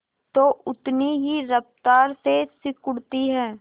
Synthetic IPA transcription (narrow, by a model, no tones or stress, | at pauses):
t̪oːʔʊt̪niɦiɾɐft̪aːɾsesɪkʊɽt̪iɦɛː